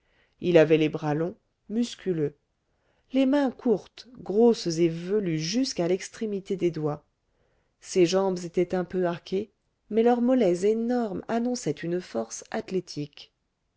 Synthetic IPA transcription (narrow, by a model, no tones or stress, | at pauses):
ilavɛlebʁalɔ̃ | myskʲylø | lemɛ̃kʰuʁt̪ɡʁoszevəlyʒyskalɛkst̪χemit̪ed̪ed̪wa | seʒɑ̃bzet̪ɛt̪ɛ̃pøaʁkʲʰe | mɛlœʁmɔlɛzenɔʁmanɔ̃sɛt̪ynəfɔʁsat̪let̪ʰik